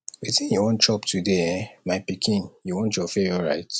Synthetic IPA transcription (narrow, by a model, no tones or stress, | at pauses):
wiθĩnjɔɔ̃nt͡ʃɔptʰudeɛ̃maɪpikʰĩnjuwɔ̃ntjɔfeɔɹa̰ɪt